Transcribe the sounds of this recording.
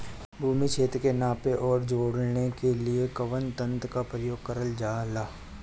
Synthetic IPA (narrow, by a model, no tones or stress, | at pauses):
bʱuːmit͡ʃʰeːt̪ɾkenaːpeʔɔːɾd͡ʒoːɽnekeliekɐʋənt̪ə̃nt̪kapɾəjoːɡ̚kəɾəld͡ʒaːlaː